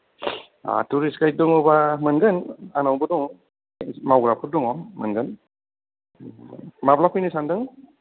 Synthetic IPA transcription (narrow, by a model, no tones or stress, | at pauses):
a̰tuɾiskaj̚dɔŋɔbamɯnɡɯnanawbɯdɔŋ | mawɡɾapʰut̚dɔŋɔmɯnɡɯn | maplapʰɔjnɯsandɯŋ